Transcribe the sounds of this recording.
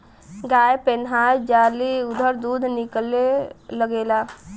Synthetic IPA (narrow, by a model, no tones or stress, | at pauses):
ɡaːjepenɦaːjd͡ʒaːliʊd̪ʱəɾd̪uːd̪ʱnɪkleləɡeːlaː